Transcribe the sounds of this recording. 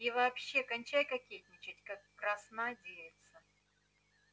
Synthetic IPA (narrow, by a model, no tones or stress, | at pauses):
ɪvɐːpɕːe̞kɐnʲt͡ɕæjkɐkʲetʲnʲɪt͡ɕɪtʲkakːɾɐsnadʲelʲɪt̪sə